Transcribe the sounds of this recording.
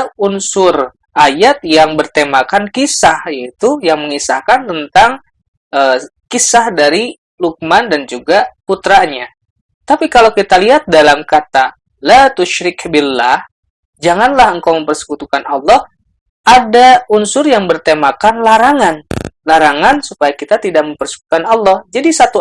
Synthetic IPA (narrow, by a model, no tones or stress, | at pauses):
unsʊr | ʔajat̪̚jaŋbərt̪emakankisahjait̪ujaŋməŋisahkant̪ənt̪aŋ | əːkisahdaɾi | luk̚mandand͡ʒuɡaput̪ɾaɲa | t̪apikalawkit̪aliɦat̪̚dalamkat̪a | lat̪uʃɾɪkbɪlːah | d͡ʒaŋanlahəŋkawməmpərsə̥kut̪ukanɑlːɔh | ʔadaunsʊrjaŋbərt̪emakanlaɾaŋanlaɾaŋansupajakit̪at̪idak̚məmpərsə̥kut̪ukanɑlːɔhd͡ʒadisat̪u